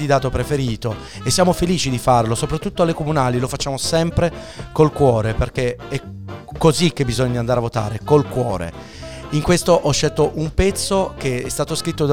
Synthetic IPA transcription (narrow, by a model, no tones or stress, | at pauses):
id̪aːt̪opɾefeɾiːt̪o | esːjaːmofeliːt͡ʃid̪ifarlosopɾat̪ːut̪ːoalːekomunaːlilofat͡ʃːaːmosɛmpɾekolkwɔːɾeperk̟eɛkːozik̟ːebːizoɲːand̪aɾeavːot̪a̰ːɾekolkwɔ̰ːɾḛ | iŋkwest̪oʔɔʃːɛlt̪oʔumpɛt̪sːok̟eɛst̪aːt̪oskɾit̪ːod̪